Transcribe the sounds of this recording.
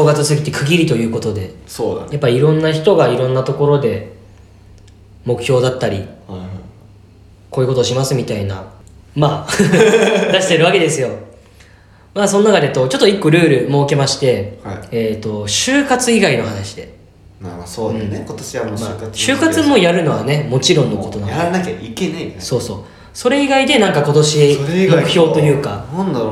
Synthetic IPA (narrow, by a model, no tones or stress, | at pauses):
oːɡat͡sɨsɨɡʲit̪ːekʰɯ̟ɡʲiɾʲit̪o̞jɯ̟ːko̞t̪o̞d̪e̞sojapːaɾʲiiɾõ̞nːaçi̥t̪o̞ɡaiɾõ̞nːat̪o̞ko̞ɾo̞d̪e̞ | mo̞kɯ̟̥çʲo̞ːd̪at̪ːaɾʲi | kʰo̞ːjɯ̟ko̞t̪oɕimasɨmʲit̪aina̰maː | d̪aɕi̥t̪e̞ɾɯ̟βake̞d̪e̞sɨjo̞ | maːso̞nnakad̪e̞t̪o̞t͡ɕo̞t̪ːoikːo̞ɾɯ̟ːɾɯ̟mo̞ːke̞maɕi̥t̪e̞haiːt̪o̞ɕɨːkat͡sɨiɡaino̞hanaɕi̥d̪e | maasoɯ̟̃kot̪oɕiβamomakaɕɨːkat͡sɨmo̞jaɾɯ̟no̞βane̞mo̞t͡ɕiɾõ̞nːo̞ko̞t̪o̞aanakʲaikenaiso̞ːso̞̰ː | so̞ɾe̞iɡaid̪e̞nãŋkako̞t̪oɕiɾmokɯ̟̥ço̞ːt̪o̞jɯ̟ːkãn